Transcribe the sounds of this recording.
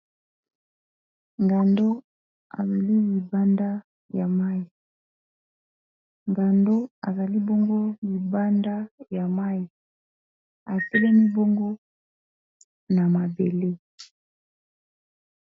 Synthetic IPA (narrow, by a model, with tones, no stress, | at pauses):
ŋɡa˨ndo˦ | a̰˨za˨li˦li˨ba˦nda˦ | ja˨ma˦ji˨ | ŋɡa˨ndo˦a˨za˨li˦bo˦ŋɡo˦li˨ba˦nda˦ja˨ma˦i˨ | a˨tɛ˦lɛ˦mi˦bo˦ŋɡo˦ | na˨ma˨be˨le˦